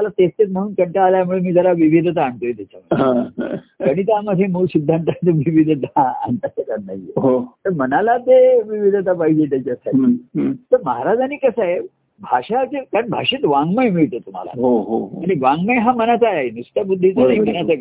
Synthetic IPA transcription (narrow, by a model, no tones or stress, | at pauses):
malat̪est̪et̪̚məɽ̤uːnkəɳʈaːljamuɭemiːd͡zəɾaʋiʋid̪ʱət̪aːɳt̪ojet̪jat͡ɕʰaməã̰kəɽ̃it̪aməd̪ʱːjemulɕid̪ʱːant̪at̪əʋiʋid̪ʱət̪aa̰ɳt̪at͡ɕakaɾnaɦiḛɦot̪əɾmənalat̪eʋiʋid̪ʱət̪apaɦid͡ʑet̪jat͡ɕjasaʈit̪əɾməɦaɾad͡zaniːkəsaje | bʱaʂat͡ɕekaɾɳbʱa̰ʂet̪ʋãŋɡməjmiɭt̪ət̪um̤a̰la̰ɦoɦoɦaɽ̃iʋãŋɡməjɦamənat͡sajaɦenust̪abud̪ʱːit͡sənaɦimənat͡sa